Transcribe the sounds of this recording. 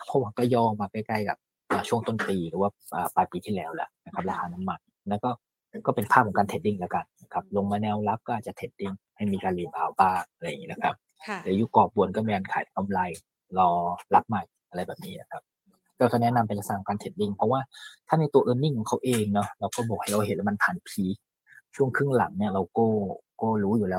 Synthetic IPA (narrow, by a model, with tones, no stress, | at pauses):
pʰɔ˧˦˥wa˨˧˩ŋkɔː˥˩jɔː˧˩maː˧˩ka˥˩jka˥˩jka̰˨˩p̚ | ʔəː˨˩t͡ɕʰu˥˩əŋt̪o˥˩npiː˧ɾɯː˨˩˦waː˥˩ʔəː˨˩paː˧jpiː˧t̪ʰiː˥˩lɛː˦˥wlɛ̰˦˩na˦˥kʰa˦˥p̚laː˧kʰaː˧na˦˥mːa˧n | na˦˥kɔː˥˩ | kɔː˥˩pe˧npʰaː˥˩p̚ʰːɔ˨˦ŋkaː˧nʰe˨˩t̪̚di˧˥˩ŋlɛː˦˥wka˧nna˦˥kʰa˦˥p̚lo˧ŋmaː˧nɛː˧wla˦˥p̚kɔː˥ʔaː˨˩t̚t͡ɕa˨˩t̪ʰe˨˦˩t̪̚di˥˩ŋha˥˩jmiː˧kaː˧nli˧˩baː˧wbaː˥˩ŋa˧ɾa˧jŋiː˦˥na˦kʰa˦˥p̚ | t̪ɛː˨˩˦juː˦˥˩kɔː˨˩p̚bu˨˩ənkɔː˥˩miː˧kaː˧nkʰa̰ː˨˩˦jka˧mla˧j | lɔː˧la˦˥p̚ma˨˩jʔa˧ɾa˧jbɛː˨˩p̚niː˦˥na˦˧˩kʰa˦˥p̚ | kɔː˥˩ka˥˩nɛ˦˥na˧mpae˧nla˧sa˨˩kʰːɔ˨˦ŋkaː˧t̪ʰe˨˩t̪̚di˥˩ŋpʰɔ˦˥waː˥˩t̪ʰaː˥˩na˧jt̪u˧ɐʔɤː˧nːi˥˩ŋkʰɔ˨˩˦ŋkʰa˦˥wʔeː˧ŋnɔ˦˥ɾa˧wkɔː˥˩bɔː˨˩k̚ha˥˩jɾa˧whe˨˦nlːma˧np̪ʰaː˨˦n˨˩pʰiː˨˦˩ | t͡ɕʰu˥˩əŋkʰɯ˥˩ŋla̰˩˦ŋni˥˩ɐɾa˧wkoː˥˩koː˥˩ɾuː˦˥juː˨˩lɛː˦˥w